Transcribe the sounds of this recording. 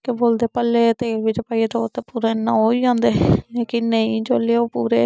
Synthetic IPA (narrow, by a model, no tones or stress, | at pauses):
keboːld̪eːpəlːeːt̪eːʋɪt͡ʃpaːit̪oːt̪eːpuːɾeːnãɦoːiːd͡ʒãːnd̪eːekɪnəĩːd͡ʒoːleːoːpuːɾḛː